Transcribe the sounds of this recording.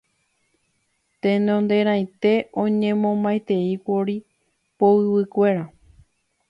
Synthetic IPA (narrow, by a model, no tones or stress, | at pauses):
t̪ẽ̞nõnd̪e̞ɾ̃ãj̃t̪e̞õ̞ɲẽmõmbajt̪e̞ikʷoɾi | poɨwɨkʷe̞ɾa